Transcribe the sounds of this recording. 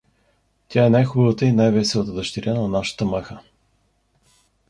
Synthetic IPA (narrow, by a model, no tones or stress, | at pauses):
t̪ʲaɛnajxubəvət̪əinajvɛsɛvət̪əd̪əʃt̪iɾʲanɐnaʃə̥t̪əmɛxə